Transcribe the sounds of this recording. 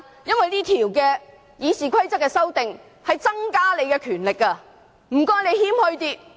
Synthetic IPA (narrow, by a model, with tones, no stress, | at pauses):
jɐ˥nwɐ˨jt̪iː˥t̪ʰiː˨˩wkɛː˧ | jiː˨˧siː˨˩kʷʰɐ˥jt͡sɐ˥kːɛː˧sɐ˥wt̪ɪ˨ŋ | hɐ˨jt͡sɐ˥ŋkaː˥le˨˧jkɛ˧kʰyː˨˩nlɪ˨kːɐ˧ | m̩˨˩kɔː˧˥jle˨˧jhiː˥mhɵ˧ɥt̪iː˧